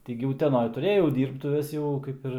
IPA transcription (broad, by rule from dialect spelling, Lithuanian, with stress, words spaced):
ˈtʲɪ ɡʲɪ ʊtʲɛˈnoːj tʊˈrʲeːjɛʊ ˈdʲiːrptʊʋʲɛs jɛʊ ˈkɐɪp ɪr